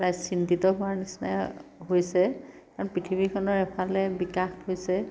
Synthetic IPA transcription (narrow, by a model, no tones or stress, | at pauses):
ɹajzsintitɔɦʊwaɹnisna̰jɦojsɛ | kaɹɔnpitʰibikʰɔnɔɹɛpʰalɛbikaxhojsɛ